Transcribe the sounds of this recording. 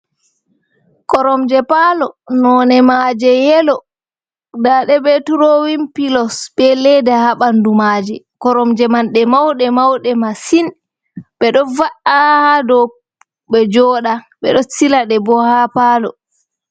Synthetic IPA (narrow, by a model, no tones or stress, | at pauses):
kɔɾɔmd͡ʒɛpalɔnɔnɛmad͡ʒɛjɛlɔ | daɗɛbɛtuɾowimpilɔsbɛlɛdɛhaɓandumad͡ʒɛ | kɔɾɔmd͡ʒɛmanɗɛmawɗɛmawɗɛmasin | ɓɛɗɔnvaʔahadɔ | ɓɛd͡ʒɔːɗa | ɓɛɗɔsilaɗɛbɔhapaːlɔ̰